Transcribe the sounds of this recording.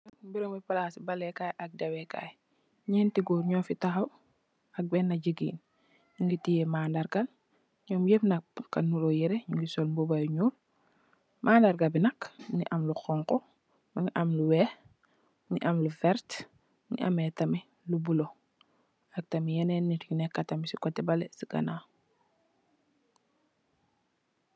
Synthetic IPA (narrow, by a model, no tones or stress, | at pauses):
biɾoŋbipalaːsibalɛkajʔak̚dɐwɛka̰j | ɲɛːntiɡuːɾɲɔːfitaxaw | ɐk̚bɛːnːaɟiɡḭːn | ɲuŋɡitijemaːndaɾɡal | ɲɔːmjepnɐk̚ːanuɾojɛɾeɲuŋɡisɔlmbubajuɲuːɾ | mʔaːndaɾɡabinɐknḭʔamluxɔŋkɔ | miŋiʔamluwɛːh | nḭʔamlufɛɾt | nḭʔa̰metɐmi | lubulo | ak̚tɐmijɛnɛnːitiknɛkːatamisikɔtɛbalɛsiɡa̰naː